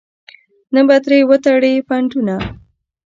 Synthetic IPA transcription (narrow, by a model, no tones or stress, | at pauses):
nəbat̪ɾewət̪aɽepaɳʈuna